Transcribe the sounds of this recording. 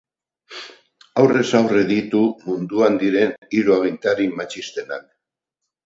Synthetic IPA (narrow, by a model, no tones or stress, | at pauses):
awre̞sawre̞ðit̪umund̪uand̪iɾe̞niɾuaɣint̪aɾimat͡ʃist̪e̞na̰l